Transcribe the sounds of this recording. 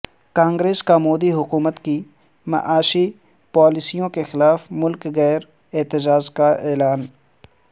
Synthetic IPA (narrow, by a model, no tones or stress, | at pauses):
kãːŋɡɾeːskamoːd̪iɦʊkuːmət̪ki | mɐ̰ʔaːʃi | paːlɪsijõkexɪlaːfmʊlkɣɛːɾ | ɪːt̪ɪd͡ʒaːd͡ʒkaeːlaːn